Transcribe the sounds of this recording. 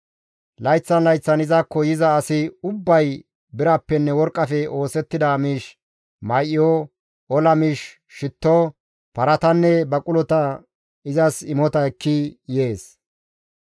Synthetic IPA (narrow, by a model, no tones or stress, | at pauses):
lɐjt͡sːɐnlɐjt͡sːɐnɪzaːkːɔjɪzɐːsɪʊbːɐj | bɪɾɐpːɛnːɛwɔɾkʼːɐfɛo̞ːsɛt̪ːɪd̪amiːʃ | mɐjʔɪjɔ | ɔlɐmiːʃ | ʃɪt̪ːo | pɐɾɐt̪ɐnːɛbɐkʼʊlɔt̪ɐ | ɪzɐsɪmɔt̪ɐɛkːɪje̞ːs